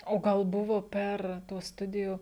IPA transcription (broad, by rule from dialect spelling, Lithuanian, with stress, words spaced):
oː ˈɡɐlˠ ˈbʊʋoː ˈpʲɛr ˈtuɔs ˈstʊdʲɪjʊ